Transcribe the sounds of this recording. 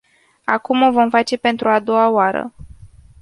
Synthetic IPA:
akumovo̞mfat͡ʃe̞pe̞nt̪ɾuad̪o̞aoaɾə̰

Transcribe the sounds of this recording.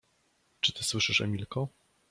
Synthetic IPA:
t͡ʂɘt̪ɘswɘʂɘʂɛ̰mʲilkɔ

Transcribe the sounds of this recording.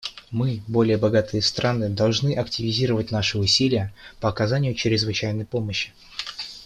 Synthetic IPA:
mɨbo̞lʲɪjəbɐɡat̪ɨjəst̪ɾʔanɨd̪ɐlˠʐnɨʔɐktʲɪvʲɪzʲiɾəvət̚ʲnaʂɨʊsʲilʲɪjəpəɐkɐzanʲɪjʊt͡ɕɾʲɪzvɨt͡ɕæjn̪əjpo̞məɕːɪ̥

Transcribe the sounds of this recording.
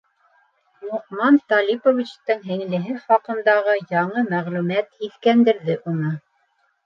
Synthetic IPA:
muqmɑnt̪ɑlʲipovʲit͡ɕt̪ɤŋɦɘ̆ŋlɘ̆ɦɘχɑqɤ̆nd̪ɑʁɤjɑɴɤmæʁlʉmæt̪hiθkænd̪ɘ̆ɾðɘʔunɤ

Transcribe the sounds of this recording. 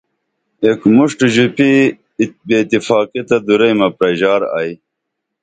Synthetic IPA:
ekmuʂʈʑupi | bet̪ifaːkit̪ɐd̪uɾejmɐpɾɐʑaːɾa̰ːj

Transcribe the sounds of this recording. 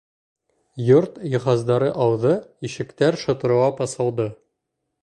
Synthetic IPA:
joɾt̪jɤ̆χɑzd̪ɑɾɤʔɑwðɤiʃɘ̆kt̪æɾʃŏt̪ɤ̆ɾɤ̆wɑpɑsɑlˠd̪ɤ

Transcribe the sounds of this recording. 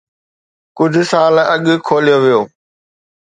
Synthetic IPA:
kʊd͡ʑʱʊ̆saːlɐɠʊkʰoːlijoʋijoː

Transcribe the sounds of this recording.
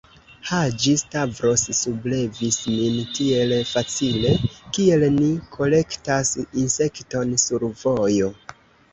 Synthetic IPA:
had͡ʒistavɾo̞ssuble̞vismintie̞lfat͡sile̞kie̞lnikʰo̞le̞ktasinse̞kto̞nsuɾvo̞jo̞

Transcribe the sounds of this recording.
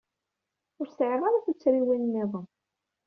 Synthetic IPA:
ʊɾsʕəʁaɾaθut͡sːɾiwinmːɪðˤən

